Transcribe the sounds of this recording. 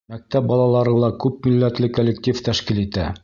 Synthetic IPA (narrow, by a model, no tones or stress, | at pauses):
mæk̚t̪æp̚bɒlˠɑlˠɑɾɤlˠɑkʉp̚milːæt̪lɘkolʲːekt̪ʲift̪æʃkilit̪æ